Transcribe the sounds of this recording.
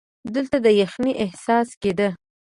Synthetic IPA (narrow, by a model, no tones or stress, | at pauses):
d̪əlt̪ad̪əjaxniʔɪhsɑsked̪ə